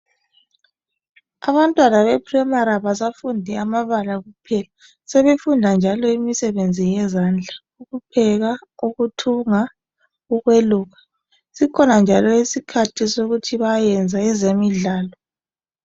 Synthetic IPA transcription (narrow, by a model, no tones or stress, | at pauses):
aβantʼwanaβɛpʰrɛmaɾaβasafundʱiamaβalaɣupʰɛla | sɛβefundʱand͡ʒʱalɔimisɛβend͡zʱijɛzand͡ɮʱa | uɣupʰɛɣauɣutʰuŋa | ɣuɣweluːɣa | sikʰɔnand͡ʒʱalɔisikʰatʰisoɣutʰiβajɛnd͡zʱaɛzemiɮaːlɔ